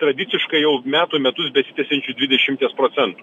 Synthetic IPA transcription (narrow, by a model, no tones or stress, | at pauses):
t̪ɾɐd̪ʲɪt̪sʲɪʃkɐɪjɛʊmʲæːt̪uːmʲɛt̪ʊsbʲɛsʲɪ̥t̪ʲɛsʲɛnʲt͡ʃʲʊd̪ʲʋʲɪd̪ʲɛʃʲɪmʲt̪ʲiːspɾoːt̪sʲɛnt̪u̥ː